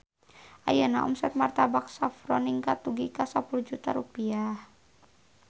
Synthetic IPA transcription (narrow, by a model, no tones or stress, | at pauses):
ʔa̰jənaʔɔ̰msɛt̪̚mart̪abaksafɾɔniŋkat̪uɡikasapulud͡ʒut̪aɾupiah